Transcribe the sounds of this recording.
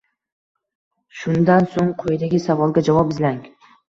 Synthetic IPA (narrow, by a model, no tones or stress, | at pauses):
ʃʊnd̪ansoŋqʰojd̪aɡʲɪsavɒlˠɡʲad͡ʒavɒpɪzlaŋ